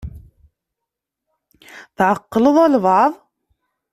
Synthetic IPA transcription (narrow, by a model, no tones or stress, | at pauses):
θʕɑqːləðˤælβɑʕðˤ